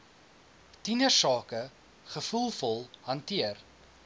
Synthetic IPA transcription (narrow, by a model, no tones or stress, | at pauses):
tinəsɑːkə | χəfulˠfɔlˠhɐntiər